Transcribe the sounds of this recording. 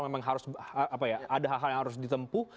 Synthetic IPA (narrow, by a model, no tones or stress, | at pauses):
memaŋɦaɾʊsaːpajaʔadaɦalɦaljaŋhaɾʊs̬dit̪əmpu